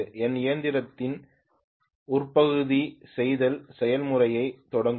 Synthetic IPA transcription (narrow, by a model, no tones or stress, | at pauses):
ɛnɪjɐnd̪ɪɾɐt̪ːɪn | ʊrpɐɣɯðisɛjðɐlsɛjɐlmʊrɐjɐɪt̪ːɔɽɐŋɡ